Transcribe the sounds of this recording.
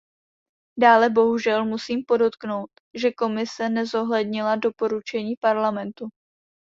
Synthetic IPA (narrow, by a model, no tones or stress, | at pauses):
daːlɛbo̞ɦuʒɛlmusiːmpo̞do̞t̪kno̞wt̪ | ʒɛko̞mɪsɛnɛzo̞ɦlɛdɲɪlado̞po̞ɾut͡ʃɛɲiːpaɾlamɛnt̪u